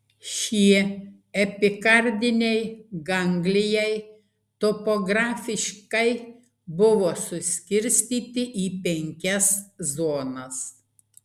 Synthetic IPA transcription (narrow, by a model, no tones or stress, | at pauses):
ʃʲiɛ | ɛpʲɪkɐɾʲd̪ʲɪnʲɛɪɡɐŋʲɡlʲɪjɛɪ | t̪opoɡɾɑːfʲɪʃʲkɐɪ | bʊʋoːsʊsʲkʲɪɾʲsʲt̪ʲiːt̪ʲɪʔiːpʲɛŋʲkʲɛszoːnɐs